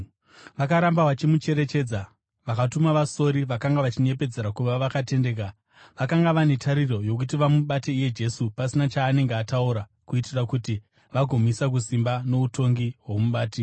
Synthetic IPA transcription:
ʋakaɾambaʋat͡ʃimut͡ʃe̞ɾe̞t͡ʃe̞ːd͡za | ʋakatumaʋaso̞ɾiʋakaŋɡaʋat͡ʃine̞p̬e̞d͡ze̞ɾakuʋaʋakate̞nde̞ːk̬a | ʋakaŋɡaʋane̞tʰaɾiro̞jo̞k̬utiʋamuɓateije̞d͡ʒe̞supasinat͡ʃaːne̞ŋɡeatauɾa | kuitirakuti | ʋaɡʱo̞misak̬usimbano̞uto̞ŋɡiɦwomuɓaːti

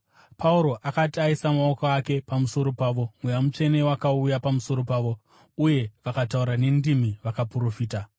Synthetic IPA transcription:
pʰauɾo̞ʔakatiaisamaokaake̞pamuso̞ɾo̞paːʋo̞mwejamut͡ʃe̞ne̞wakaujapamuso̞ɾo̞paːʋo̞ | uje̞ʋakatauɾane̞ndimiʋakapuɾo̞fiːta

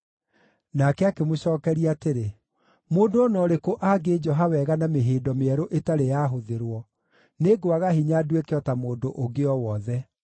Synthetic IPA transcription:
nakɛakemoɕɔːkɛɾiateɾe | moːndoonɔɾekoʔaɡed͡ʒɔɦawɛɣanameɦeːdɔmeɛɾoʔetaɾejaːɦoðeɾwɔ | neɡowaɣaɦiɲaduekeɔtamoːndoʔoɡeɔwɔðɛ

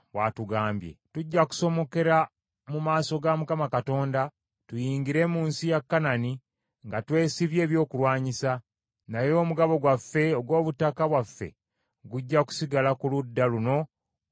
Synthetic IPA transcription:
watuɡaːmbje̞̰tuɟːaku̥so̞mo̞ke̞ɾa | mumaːso̞ɡamukamakato̞ːnda | tujiːŋɡiɾe̞ːmuːnsijakːanani | ŋɡatwe̞ːsiβje̞ːβjo̞ːkulwaːɲisa | najo̞ːmuɡaβo̞ɡwafːe̞oɡwo̞ːβutakaβwafːe̞̰ | ɡuɟːaku̥siɡalakuludːaluno̞

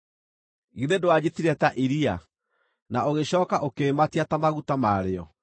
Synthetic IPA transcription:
ɣiðedoad͡ʑetiɾɛtaʔiɾia | naoɣeɕɔːkaʔokeːmatiatamaɣutamaːɾeɔ

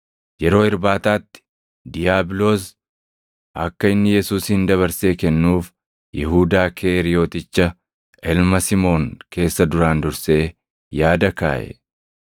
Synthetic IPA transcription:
jɛɾo̞ːɪɾbaːt̪aːt̪ːɪ̥ | d̪ɪjaːblo̞ːs̬ | ʔɐkːɐɪnːɪjɛsuːshɪnd̪ɐβɐɾse̞ːkɛnːuːf | jɪɦuːd̪aːkʰeːɾɪjo̞ːt̪ɪt͡ʃːɐ | ɛlmɐsɪmo̞ːŋke̞ːsːɐd̪ʊɾaːnd̪ʊɾse̞ː | jaːd̪ɐkaːʔɛ̰

